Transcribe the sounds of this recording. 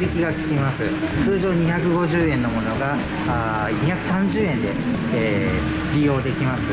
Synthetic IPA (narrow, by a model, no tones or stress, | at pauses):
bʲikʲiɡakʲi̥kʲimasɨ | t͡sɨːʑo̞ːɲ̟içakɯ̟ɡo̞ʑɨːẽ̞nːo̞mo̞no̞ɡa | a | ɲiçakɯ̟sãɲd͡ʑɨːẽ̞nd̪e̞̰ː | ɾʲijo̞ːd̪e̞kʲimasɨ